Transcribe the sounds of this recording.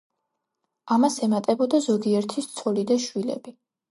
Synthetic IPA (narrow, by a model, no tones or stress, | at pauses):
amasɛmat̪ʼɛbɔd̪azɔɡiɛɾt̪ʰist̪sʰɔlid̪aʃwilɛ̰bi